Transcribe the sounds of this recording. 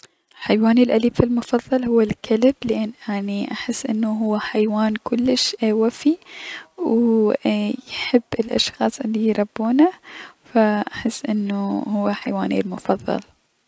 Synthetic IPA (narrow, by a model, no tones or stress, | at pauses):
lħajwaːnilʔaliːbfilmʊfɑðˤːɑlhʊwːalkalɪblʔanːʔaʕniʔaħɪsːʔɪnːuɦʊwːaħajwaːnkʊlːɪʃwafi | w | jħɪbːɪlʔɑ̰ʃxɑːsˤʔɪlːijɾˤɑbːuːnafaʔaħɪsːʔɪnːuhʊwːaħajwaːnḭlmʊfɑðˤːɑ̰l